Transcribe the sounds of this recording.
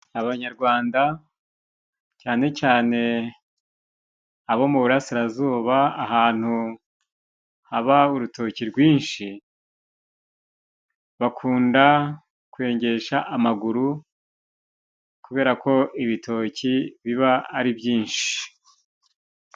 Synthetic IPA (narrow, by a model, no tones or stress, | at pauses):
aβaɲaɾɡwaːnda | caːne̞caːne̞ | aβo̞muβuɾasiɾazuːβaːɦaːn̥hu | haβauɾuto̞ciɾɡwiːnʃi | βakʰuːnda | kwe̞ːɲɟe̞ʃaʔːmaɡuɾu | kuβe̞ːɾakʰo̞ʔiβitʰo̞ːciβiβaːɾibjiːnʃi̥